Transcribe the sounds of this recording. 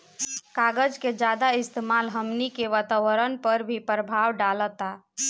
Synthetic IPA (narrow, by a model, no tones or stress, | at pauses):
kaɡəd͡ʒked͡ʒad̪aist̪emalɦəmnikeʋat̪aʋəɾənpəɾbʱipɾəbʱawɖalət̪a